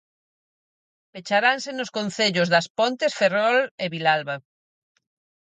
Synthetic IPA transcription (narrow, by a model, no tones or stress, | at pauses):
pet͡ʃaɾansenoskonθeʎʊzðɐspont̪esferɔleβilalβa